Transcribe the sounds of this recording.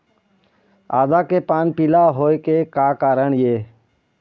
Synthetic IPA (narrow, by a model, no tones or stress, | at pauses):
aːd̪akepaːnpɪlaɦoːekekaːkaːɾəɳjeː